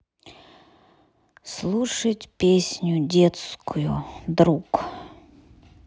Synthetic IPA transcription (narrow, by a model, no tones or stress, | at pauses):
slˠuʂətʲpʲesʲnʲʊdʲet̪skʰʊjʊd̪ɾuk